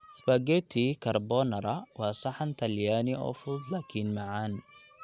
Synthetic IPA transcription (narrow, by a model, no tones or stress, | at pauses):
sbɐɡɛt̪ʰikʰɐrbɔnɐɾɐwɑːsɑħant̪ʰɐljaːnɪɔ̰ːfʊd̪laːkʰinmɑʕaːn